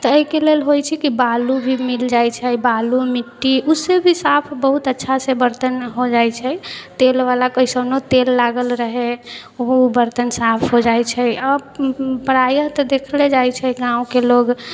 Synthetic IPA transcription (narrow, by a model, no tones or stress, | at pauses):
t̪ɔəɦikelelɦojt͡ʃʰɛkibalubʱimild͡ʒajt͡ʃʰɛbalumiʈːiusebʱisapʰbəɦut̪ətːʃʰasebəɾt̪ənɦod͡ʒajt͡ʃʰɛt̪elʋalakəisənot̪elːaɡəlɾəɦe | ubəɾt̪ənsapʰɦod͡ʒajt͡ʃʰɛə | pəɾajəɦt̪ɔd̪ekʰled͡ʒajt͡ʃʰɛɡãũkeloɡ